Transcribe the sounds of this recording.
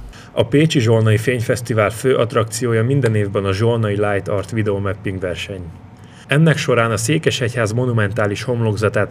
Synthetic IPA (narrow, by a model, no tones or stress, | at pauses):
ɒpeːt͡ʃiʒo̞rnɒifeːɲfɛst̪ivaːlføːʔɒt̪rɒkt̪sijoːjɒmind̪ɛneːvbɛnɒʒornɒilaːjt̪ɒrt̪ʋid̪ɛomɛpːiŋɡʋɛrʃɛɲ | ɛnːɛkʃo̞ɾaːnɒseːkɛʃɛchaːzmo̞numɛnt̪aːliʃho̞mlo̞ɡzɒt̪aːt̪